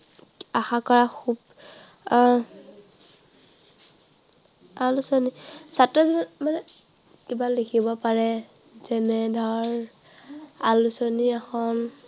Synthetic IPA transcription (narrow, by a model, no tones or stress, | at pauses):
axakɔɹaxʰub | alusonisatɹɔzinamanɛ | kibalekʰibɔpaɹɛ | zɛnɛdʱɔɹ | alusoniaxɔn